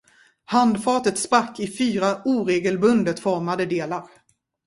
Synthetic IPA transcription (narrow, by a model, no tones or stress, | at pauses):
hand̪fɑːt̪ət̪spɾakːɪfyːɾauːɾeːɡəlbɵnd̪ət̪fɔɾmad̪əd̪eːlaɾ